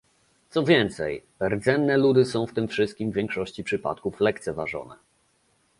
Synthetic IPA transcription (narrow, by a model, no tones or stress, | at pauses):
t̪sɔvʲjɛnt̪sɛ̰jbɛɾd̪zɛnːɛlud̪ɘsɔ̃w̃ft̪ɘmfʂɘst̪̚kʲimvʲjɛŋkʂɔɕt͡ɕipʂɘpa̰t̪̚kuflɛkt̪sɛvaʐɔ̰nɛ